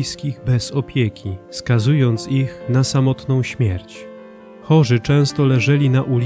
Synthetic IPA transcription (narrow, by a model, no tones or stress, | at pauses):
jskʲiɣbɛz̥ɔpʲjekʲʰifskazujɔnt̪sixnasamɔt̪nɔ̃w̃ɕmʲjɛɾt͡ɕ | xɔʐɘt͡ʂɛ̃st̪ɔlɛʐɛlʲinaʔulʲ